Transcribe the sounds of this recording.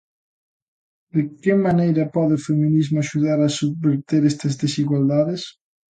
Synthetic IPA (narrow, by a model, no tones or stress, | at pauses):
d̪ekɪmanejɾɐpɔðɪʊfemĩnizmʊaʃuðaɾasuββeɾt̪eɾɛst̪ɐzðesiɣwald̪aðɪs